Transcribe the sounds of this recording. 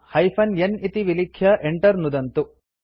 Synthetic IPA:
hɐjpʰɐnjenit̪iʋilikʰjɐʔeɳʈɐɾnud̪ɐnt̪u

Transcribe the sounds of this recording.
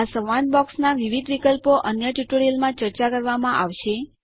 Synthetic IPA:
asəʋãɳnbɔksnaʋiʋid̪ʋikəlpoʔənjəʈjuʈoɾelmãt͡ʃəɾt͡ʃakəɾʋamãʔaʋʃe

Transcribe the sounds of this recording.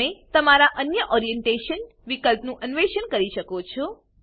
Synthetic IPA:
et̪əmaɾaʔənjəʔɔɾijeɳʈeʃən | ʋikəlpnũʔənʋeʃənkəɾiʃəkot͡ʃʰo

